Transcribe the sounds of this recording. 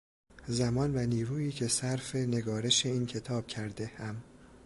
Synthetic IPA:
zæmɒːnvæniːɾuːiːcʰe̞sæɾfe̞ne̞ɡɒːɾe̞ʃe̞iːncʰe̞t̪ʰɒːb̥cʰæɾd̪e̞hæm

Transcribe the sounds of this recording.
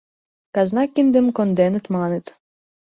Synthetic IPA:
kɑznɑkːind̪ɘ̆mkond̪enɘ̆t̪mɑnɘ̆t̪

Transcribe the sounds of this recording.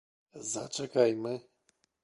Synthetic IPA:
za̰t͡ʂɛkajmɘ

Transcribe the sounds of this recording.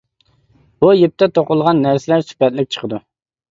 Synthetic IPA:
bujep̚t̪ʰɛt̪ʰoqʊlˠʁɑnːæɾsɪlæɾsy̥pɛt̪lɪk̚ʲt͡ʃʰə̥qʰəd̪u

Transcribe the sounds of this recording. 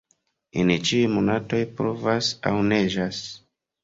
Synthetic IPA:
ḛnit͡ʃiujmonato̞jpɾovasa̰wne̞ʒas

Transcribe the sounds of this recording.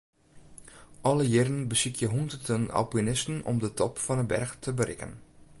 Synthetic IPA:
ʔɔləjɪɾənbəsikʰjəɦundərdəna̰lpynɪstən̩ʔɔ̰mdətɔpfɑnəbɛ̰rxtʰəbəɾɪ̰kə̰n

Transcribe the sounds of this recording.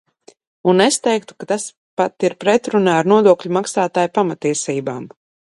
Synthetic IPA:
unest̪ɛjk̚t̪u̥kat̪as | pat̪iɾpɾɛt̪ɾunaːɾnuɔd̪uɔkʎʲumaksaːt̪aːjpamat̪ːiɛsiːbaːm

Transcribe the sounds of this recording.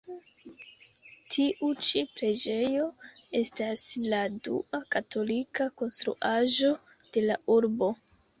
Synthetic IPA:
tʰiʔut͡ʃipɾe̞d͡ʒe̞jo̞e̞stasladṵakatʰo̞likako̞nstɾṵʔaʒo̞ | d̥e̞laʔuɾbo̞

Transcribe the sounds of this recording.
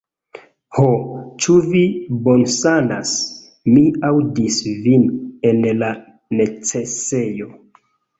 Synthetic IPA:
hot͡ʃuvibonsanas | miawdisvinenla | ne̞t͡se̞se̞jo

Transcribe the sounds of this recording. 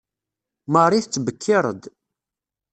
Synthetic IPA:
məɾˤiθt͡sːvəkʰːɪɾˤə̰d̪

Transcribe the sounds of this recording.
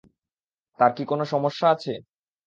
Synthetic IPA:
t̪aɾkikonoʃɔmoʃːaat͡ɕʰe

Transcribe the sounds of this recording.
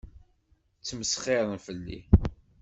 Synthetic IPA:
t͡sːməsχeðˤənfəlːḭ

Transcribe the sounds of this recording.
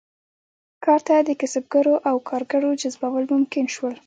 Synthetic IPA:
kɑɾt̪ad̪əkɪsab̚ɡaɾoʔawkʰɑɾɡaɽod͡ʒazbawəlmʊmkɪnʃwəl

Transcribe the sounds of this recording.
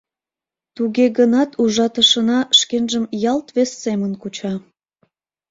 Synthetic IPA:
t̪uɣeɣənɑt̪ʰuʒɑt̪əʃənɑʃkenʒəmjɑlt̪βesːemənkut͡ɕɑ

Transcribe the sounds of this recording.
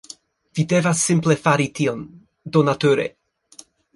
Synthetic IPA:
videvasːimplefaɾition | donat̪oɾḛ

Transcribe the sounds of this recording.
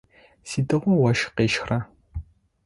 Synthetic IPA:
siːtɨʁʷɔwɐʃqeːʃxrɐ

